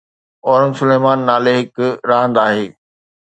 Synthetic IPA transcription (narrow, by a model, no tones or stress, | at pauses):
ɔːɾənsʊleːmaːnːaːleɦɪkɾãːnd̪aːɦeː